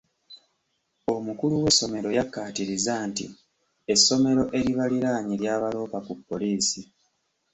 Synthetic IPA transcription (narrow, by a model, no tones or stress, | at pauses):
o̞mukuluwe̞so̞me̞ɾo̞jakːaːtiɾizaːnti | e̞sːo̞me̞ɾo̞ʔe̞ɾiβaliɾaːɲiljaːβalo̞ːpakupːo̞liːsi